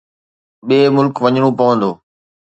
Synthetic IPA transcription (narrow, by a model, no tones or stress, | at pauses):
ɓeːmʊlkʋəɲɽ̃õːpəʋə̃nd̪oː